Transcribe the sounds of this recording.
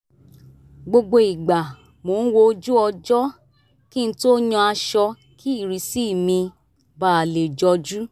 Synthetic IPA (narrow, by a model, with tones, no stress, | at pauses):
ɡ͡bo˧ɡ͡bo˧i˨ɡ͡ba˨ | mo˨˦ñ̩˦wo˧˦d͡ʒu˦ɔ˧d͡ʒɔ˦ | kĩ˦n̩˧to˦ɲɔ̃˧a˧ʃɔ˧ | kʰi˦i˦˨ɾi˨si˦˨mĩ˧ | ba˦˨a˨le˨d͡ʒɔ˧˦d͡ʒu˦